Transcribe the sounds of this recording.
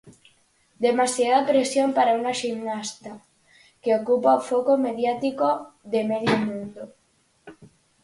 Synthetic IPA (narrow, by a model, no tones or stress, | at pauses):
d̪emasjaðapɾesjompaɾaunaʃimnast̪a | keokupaofokomeð̞jat̪ikoðemeðjomũnd̪o